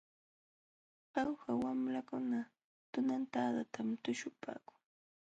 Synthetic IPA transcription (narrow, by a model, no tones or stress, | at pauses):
hɑwhawamɾakʊna | t̪ʊnant̪ad̪at̪ʰamt̪ʊʃʊpa̰ːkʊ̥ŋ